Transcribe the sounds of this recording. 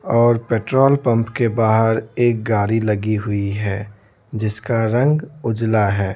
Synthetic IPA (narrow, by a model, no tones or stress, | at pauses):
ɔːɾpeːʈɾoːlpə̃mpkebaːɦəɾeːk̚ɡaːɾiləɡiɦʊiɦɛː | d͡ʒɪskaɾə̃ŋɡʊd͡ʒlaɦɛː